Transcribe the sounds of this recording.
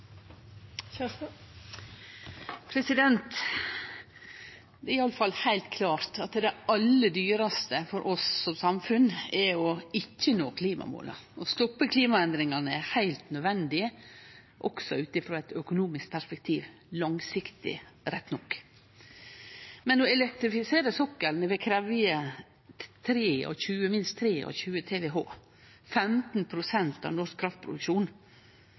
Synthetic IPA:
pʰɾɛsɪd̪ɛnt̪ | d̪ɛːɾɪɑlːəfɑlhæɪlt̪kʰlɑːɾt̪ɑt̪d̪ɛɑlːəd̪yːɾɑst̪əfɔɾʔɔssɔmsɑmfʉnɛɔɪcːənoːkʰliːmɑ̰mo̰ːlɑ̰ɔst̪ɔpːəkʰliːmɑɛnd̪ɾɪŋɑnəɛhæɪlt̪nœd̪ʋɛnd̪ɪə | ʔɔksɔʉːt̪ɪfɾoːɛt̪œkʊnuːmɪsk̚pʰæʂpɛk̚t̪ʰiːʋ | lɑŋsɪkt̪ɪ̰ɾɛt̪ːnɔkː | mɛnɔɛlɛk̚t̪ɾɪfɪseːɾəsɔkːəɾnəʋɛkʰɾɛʋɪə | t̪ʰɾeːɔ̰çʉːəmɪnst̪t̪ʰːɾeːʔɔ̰çʉːət̪ʰeːʋɛːɦo̰ː | fɛmt̪n̩pʰɾʊsɛnt̪ɑ̰ʋnɔʂkkʰːɾɑft̪̚pʰɾʊ̰d̪ʉkʃuːn

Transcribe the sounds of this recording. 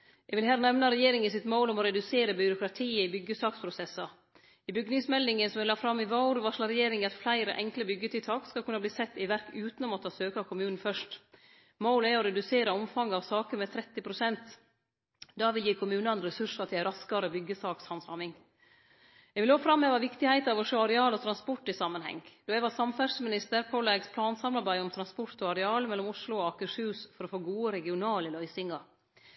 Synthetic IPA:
jɛɡʋɪlɦæːɾnɛʋnɑɾɛjeːɾɪŋɪsɪt̪moːlɔmɔɾɛd̪ʉseːɾəbʏɾʊkɾɑt̪ʰiːəɪbʏɡəsɑːkspʰɾʊsɛsːɑ | ɪbʏɡnɪŋsmɛlːɪŋənsɔmʋɪlːɑːfɾɑmːɪʋɑʊɾʋɑʂlɑɾɛjeːɾɪŋɑt̪flæɪɾə̰ʔɛŋkləbʏɡːət̪ʰɪlt̪ʰɑːkskɑlkʰʉnːɑbliːsɛt̪ːɪʋæɾkʉːt̪nɔmɔt̪ʰɑːsøːkɑkʰʊmʉːnn̩fœʂʈ | moːləæɾɔɾɛd̪ʉseːɾəɔmfɑŋːɑʋsɑːkəɾmɛːt̪ʰɾɛt̪ːɪpʰɾʊsɛnt̪ | d̪ɑːʋɪljiːkʰʊmʉːnɑɛnɾɛsʉʂɑt̪ʰɪɾɑskɑɾəbʏɡːəsɑːkshɑnsɑmɪŋ | ɛɡʋɪlhoːfɾɑmːɛʋɑːʋɪkt̪ɪhæɪt̪ɑʋɔʂoːɑɾɛɑːlɔt̪ʰɾɑnspɔʈːɪsɑːmːənhɛ̰ŋd̪̥oːɛʋɑːsɑmfæʂmɪnɪst̪əɾpʰoːlɛɡspʰlɑːnsɑmlɑɾbæɪɔmt̪ʰɾɑnspɔɾt̪ɔɑɾɛɑːlmɛlːɔmʊslʊɔɑkəʂhʉːsfɔɾɔfoːɡuːəɾɛɡɪʊnɑːləlœʏsɪŋɑɾ

